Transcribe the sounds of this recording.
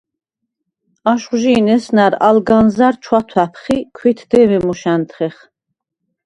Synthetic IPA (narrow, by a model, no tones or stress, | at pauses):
aʃχʒinɛsnæɾa̰lɡanzaɾt͡ʃʰwat̪ʰwæpʰχikʰwit̪ʰd̪ɛvɛmuʃænt̪ʰχɛχ